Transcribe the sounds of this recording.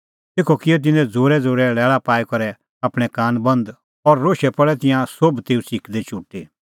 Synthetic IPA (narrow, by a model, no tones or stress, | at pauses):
t̪eːkʰokɪjɔt̪̬ɪ̃nɛ̃d͡zoːɾɛd͡zoːɾɛlɛːɭapaːikɐɾɛ | aːpɽ̃ɛkaːnbɐ̃nd̪ | ɔɾːoːʃɛpɐɭɛt̪̬ɪ̃jãsobt̪eːũsɪkd̪ɛt͡ʃʰuʈːeː